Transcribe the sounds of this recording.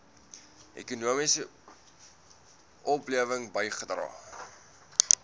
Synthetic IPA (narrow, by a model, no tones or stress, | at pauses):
ʔɛ̰kunuəmisə | ʔɔpliəvəŋbəjχədrɑ̰ː